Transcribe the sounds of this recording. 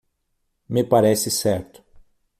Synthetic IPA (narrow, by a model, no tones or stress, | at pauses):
mɪpaɾɛsɪsɛɾt̪ʊ̥